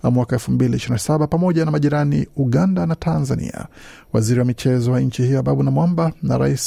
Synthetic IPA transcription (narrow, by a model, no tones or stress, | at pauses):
mwakaɛlfumbiliiʃiɾinasaɓapamɔʄanamaʄiɾanḭuɠandanatʰanzanḭa̰ | waziɾiwamit͡ʃɛzɔwaɲ̩t͡ʃihijɔaɓaɓunamwambana̰ɾa̰is